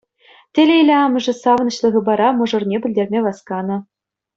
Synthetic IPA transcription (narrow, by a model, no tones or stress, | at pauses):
tʲĕlʲeilʲeɑmɤ̆ʐɘ̆sɑʋ̆nɤ̆ɕlˠɤ̆ɣɤ̆bɑɾɑmɤ̆ʐɤ̆rnʲebʲɘ̆lʲdʲerʲmʲeʋɑskɑnɤ̆